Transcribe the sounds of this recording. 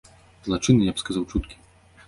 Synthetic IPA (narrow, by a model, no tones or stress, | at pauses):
zlˠat͡ʂɨnɨjabskazawt͡ʂut̪kʲi̥